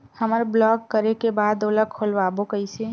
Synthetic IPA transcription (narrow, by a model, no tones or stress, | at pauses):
həməɾblɔːkːəɾekebaːd̪oləkʰːolʋabokəise